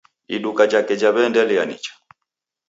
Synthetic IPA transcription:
iɗukad͡ʒakɛd͡ʒaβɛndɛlɛjanḭt͡ʃḁ

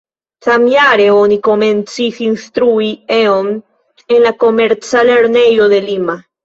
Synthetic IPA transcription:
θamjaɾeonikoment͡sixinst̪ɾuieom | enlakomeɾt͡saleɾnejoðelima

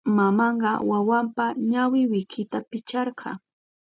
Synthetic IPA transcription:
mamɑɴɢɑwawampaɲawɪwɪkʰɪt̪apɪt͡ʃɑɾqʰɑ̰

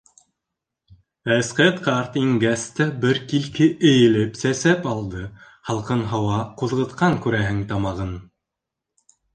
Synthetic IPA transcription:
æsqæt̪qɑɾt̪iŋɡæst̪æbɘɾkilkɘʔɘ̆jɘ̆lɘpsæsæpɑlˠd̪ɤ | hɑlˠqɤnɦɑwɑquðʁɤ̆t̪qɑŋkʉɾæɦɘŋt̪ɑmɑʁɤn

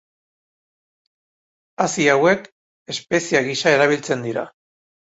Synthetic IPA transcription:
asiawe̞k | e̞spe̞siaɣisae̞ɾaβ̞ilt͡se̞nd̪iɾa̰

